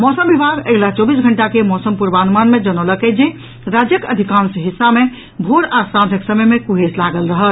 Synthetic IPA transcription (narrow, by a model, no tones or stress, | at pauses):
mɔsəmbibʱaɡeɦlat͡ʃɔbisɡʱəɳʈakemɔsəmpuɾbanmanmed͡ʒənoləked͡ʒe | ɾad͡ʒjəkəd̪ʱikãnsəɦisːame | bʱoɽasãd̪ʱəksəməjmekuɦeslaɡəlɾəɦəl